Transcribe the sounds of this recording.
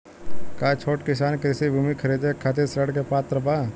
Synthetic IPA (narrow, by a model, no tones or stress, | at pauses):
kaːt͡ʃʰoːʈkɪsaːnkeɾɪsibʱuːmikʰəɾeːd̪ekʰaːt̪̬eɾsɾəɽkepaːt̪ɾəbaː